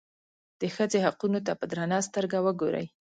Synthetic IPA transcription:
d̪̥əxəd͡zehaqunot̪apəd̪ɾɑnɑst̪əɾɡawəɡoɾə̰j

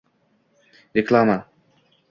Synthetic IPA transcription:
ɾɪklˠama

